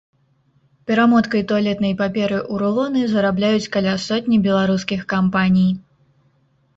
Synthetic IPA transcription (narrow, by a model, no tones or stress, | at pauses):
pʲɛɾamɔt̪kɐjt̪ɔlʲɛt̪nɐjpapʲɛɾɨʔuɾulˠɔnɨzɐɾablʲajut͡sʲkalʲasɔt̪ʲnʲibʲɛlˠaɾus̬kʲixkampanʲij